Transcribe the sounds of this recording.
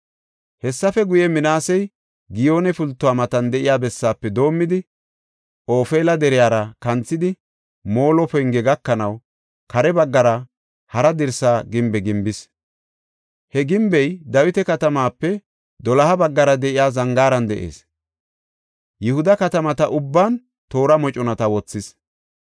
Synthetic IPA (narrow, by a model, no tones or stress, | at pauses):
hɛsːɐfɛɡʊjɛmɪnaːsɛj | ɡɪjo̞ːnɛfʊlt̪ːʊwaːmɐt̪ɐnd̪ɛʔɪjaːbɛsːaːpːɛd̪o̞ːmːɪd̪ɪ | ʔo̞ːfeːlɐd̪ɛɾɪjaːɾɐkɐnt͡sːɪd̪ɪ | mo̞ːlɔpɔjŋɡɛɡɐkːɐnɐw | kɐɾɛbɐɡːɐɾɐ | hɐɾɐd̪ɪɾsaːɡɪmbɛɡɪmbɪs | hɛɡɪmbɛjd̪ɐwɪt̪ɛkɐt̪ɐmaːpːɛ | d̪ɔlɐhɐbɐɡːɐɾɐd̪ɛʔɪjaːzɐŋɡaːɾɐnd̪ɛʔḛːs | jɪhʊd̪ɐkɐt̪ɐmɐt̪ɐʔʊbːaːn | t̪o̞ːɾɐmɔt͡ʃʼɔnɐt̪ɐwɔt͡sːɪs